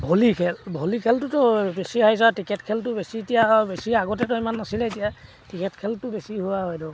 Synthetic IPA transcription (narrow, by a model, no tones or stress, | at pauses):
bʱolikʰɛlbʱolikʰɛltʊtɔbesiɦajs̬atikɛtkʰɛltʊbesitijabesiaɡɔtɛtɔimanːasilɛetija | tikɛtkʰɛltʊbesiɦuwaɦɔjdɔ